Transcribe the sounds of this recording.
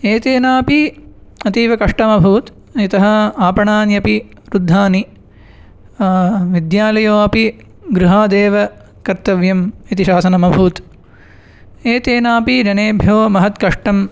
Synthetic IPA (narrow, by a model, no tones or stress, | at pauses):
eːt̪eːnaːpiɐt̪iːʋɐkɐʂʈɐmɐbʱuːt̪ | it̪ɐɦɐ̆aːpɐɳaːnjɐpi | ɾud̪ʱːaːni | ʋid̪jaːlɐjoːɐpi | ɡɾuɦaːd̪eːʋɐ | kɐɾt̪ɐʋjɐmit̪iʃaːsɐnɐmɐbʱuːt̪ | eːt̪eːnaːpid͡ʒɐneːbʱjoːmɐɦɐt̪kɐʂʈɐm